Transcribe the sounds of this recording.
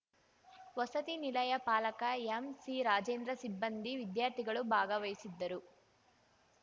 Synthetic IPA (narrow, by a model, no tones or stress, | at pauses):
ʋɐsɐt̪inilɐjɐpaːlɐkɐemsiɾaːd͡ʒeːnd̪ɾɐsibːɐnd̪iʋid̪jaːɾt̪iɡɐɭubʱaːɡɐʋɐjisid̪ːɐɾu